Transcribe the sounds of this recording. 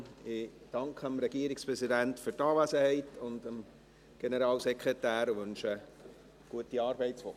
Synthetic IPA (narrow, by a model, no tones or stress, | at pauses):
ɪd̥ɑŋkχəəmɾɛɡiəɾikspɾɛsidæntfʏrtɑːʋæsəhɛɪtʊndəm | ɡ̥enəɾɑːlsɛkʰʁɛtæːɾʋɵnʃə | ɡ̥uətiɑːɾbɛɪtsfo